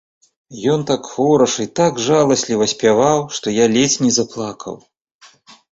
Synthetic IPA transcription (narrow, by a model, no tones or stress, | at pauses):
jɔnt̪akxɔɾɐʂit̪aɡʐalˠɐsʲlʲivɐsʲpʲavawʂt̪ɔjalʲɛt͡sʲnʲizɐplˠakʰɐ̰w